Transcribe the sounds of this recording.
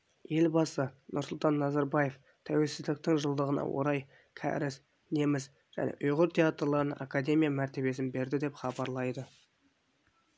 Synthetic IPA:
je̞lbɑsənʔʊɾsʊlˠt̪ɑnːɑzɑɾbɑje̞f | t̪ʰæwe̞lsɪzd̪ɪk̚t̪ɪŋʒəlˠd̪əʁənɑ̰wo̞̰ɾɑj | kʲʰæ̰ɾɪs | ne̞mɪz | ʒ̥æ̰ne̞̰ʔʊjʁʊɾt̪ʰʲe̞at̪rlˠɑɾənə̰ʔakad̪ʲe̞mʲijamæɾt̪e̞βe̞sɪnbe̞ɾd̪ɪd̪e̞pχɑbɑɾlˠɑjd̪ə

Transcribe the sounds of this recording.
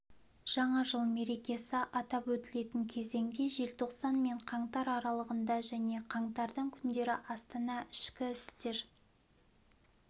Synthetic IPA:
ʒ̥ɑɴɑʒəlˠme̞ɾe̞kʲe̞sɪʔɑt̪ɑpwɵt̪ɪle̞t̪ɪŋkʲʰe̞ze̞ŋd̪e̞ʒe̞lt̪ʰo̞qsɑnme̞ɴqʰɑɴt̪ɑɾɑɾɑlˠəʁənd̪ɑʒæne̞qʰɑɴt̪ɑɾd̪əɴkʲʰʏnd̪e̞ɾɪʔɑst̪ɑnɑʔɪʃkʲɪɪst̪e̞ɾ

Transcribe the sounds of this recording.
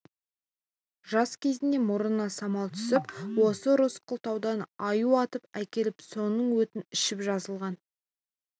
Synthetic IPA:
ʒɑskʲʰe̞zɪnd̪e̞mʊɾənɑsɑmɑlˠt̪ʰʏ̥sɪpwo̞səɾʊsqʰəlˠt̪ɑwd̪ɑnɑjuɑt̪əpækʲe̞lɪpso̞nəɴwɵt̪ɪnɪʃɪpʒɑzəlˠʁɑn

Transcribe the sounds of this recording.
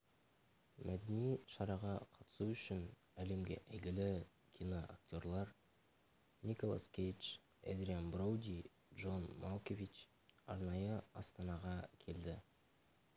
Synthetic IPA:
mʔæd̪ɪnijʃɑɾɑʁɑqʰɑt̪ə̥suʏʃɪn | æle̞mɡʲe̞̰ʔæjɡʲɪlɪ | kʲʰijnoʔa̰kt̪ʲo̞ɾlˠɑɾ | nikolˠa̰skʲejt͡ʃ | ḛd̪ɾianbrowd̪ʲij | dʒo̞nmolˠkʲovʲit͡ʃ | ɑ̰ɾnɑjəɑst̪ɑnɑʁɑkʲʰe̞ld̪ɪ

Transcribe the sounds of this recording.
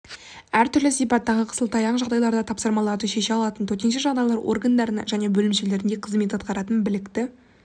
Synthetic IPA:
æɾt̪ʰʏɾlɪsijpɑt̪ːɑʁəqʰə̥səlˠt̪ʰɑjɑɴʒɑʁd̪ɑjlˠɑɾd̪ɑt̪ʰɑpsəɾmɑlˠɑɾd̪əʃe̞ʃeɑlˠɑt̪ənt̪ʰɵɾt̪e̞nʃeʒɑʁd̪ɑjlˠɑɾwʔo̞̰rɡand̪ɑɾənɑ̰ʒæne̞bɵlɪmʃele̞ɾɪnd̪eqʰəzme̞t̪ɑt̪̚qɑɾɑt̪ənbɪlɪkt̪ɪ

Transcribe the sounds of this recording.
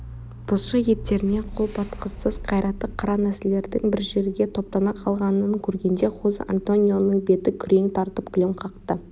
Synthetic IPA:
b̥ʰʊsʃəje̞t̪ːe̞ɾɪne̞qʰo̞lˠpʰɑt̪qʰəsːəz̥qʰɑjɾɑt̪ːəqʰːɑɾɑnæsele̞ɾd̪ɪŋbɪɾʒe̞ɾɡʲe̞t̪ʰo̞p̚t̪ɑnɑqʰɑlˠʁɑnəŋkʲʰɵɾɡʲe̞nd̪e̞qʰoza̰nt̪o̞nʲijo̞nəɴbe̞t̪ɪkʲʰʏɾe̞ŋt̪ʰɑɾt̪əp̚kʲʰlʲemqʰɑqt̪ə

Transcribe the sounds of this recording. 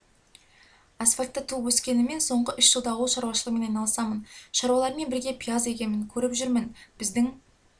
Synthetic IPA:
asfalʲt̪ːət̪ʰuwɵskʲe̞nɪme̞nso̞ɴʁəʔʏʃʒəlˠd̪ɑwəlˠʃɑɾwɑʃəlˠəʁme̞nɑjnɑlˠəsɑmənʃɑɾwɑlˠɑɾme̞nbɪɾɡʲe̞pʰʲijaze̞kʲe̞mɪŋkʲʰɵɾɪpʒʏɾmɪnb̥ɪzd̪ɪŋ

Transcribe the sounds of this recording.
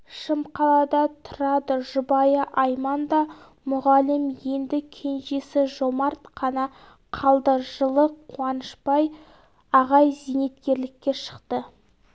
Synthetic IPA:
ʃəmqɑlˠɑd̪ɑt̪ʰʊ̥ɾɑd̪əʒʊbɑjəʔɑjmɑnd̪ɑ | mʊʁɑlɪmje̞nd̪ɪkʲʰe̞nʒe̞sɪʒo̞mɑɾt̪qʰɑnɑ | qʰɑlˠd̪əʒəlˠəqqʰːuɑnəʃpɑj | ɑʁɑjzijne̞t̪kʲe̞ɾlɪkʲːe̞ʃə̥qt̪ə

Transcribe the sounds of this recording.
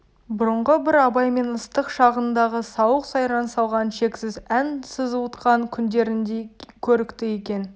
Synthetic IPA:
bʊɾəɴʁəbɪɾɑbɑjme̞nəst̪əqʃɑʁənd̪ɑʁəsɑwəqsɑjɾɑnsɑlˠʁɑnʃe̞ksɪzænsəzuwt̪qɑŋkʲʰʏnd̪e̞ɾɪnd̪ekʲʰɵɾɪkt̪ɪje̞kʲe̞n

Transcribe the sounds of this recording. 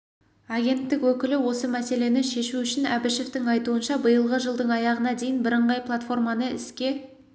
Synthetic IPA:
aɡʲe̞nt̪ːɪkwɵkʲɪlɪwo̞səmæse̞le̞nɪʃe̞ʃuʏʃɪnæbɪʃe̞ft̪ɪŋɑjt̪uənʃɑbəjəlˠʁəʒəlˠd̪əɴɑjɑʁənɑd̪e̞jɪnbɪɾəɴʁɑjplˠat̪fo̞rmɑnəɪ̰skʲe̞

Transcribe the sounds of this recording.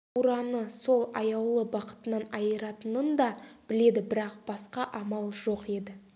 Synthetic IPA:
uɾɑnəso̞lˠɑjɑwlˠəbɑqə̥t̪ənənɑjəɾɑt̪ənənd̪ɑb̥ɪle̞d̪ɪbɪɾɑqb̥ɑsqɑʔɑmɑlˠʒo̞qe̞d̪ɪ

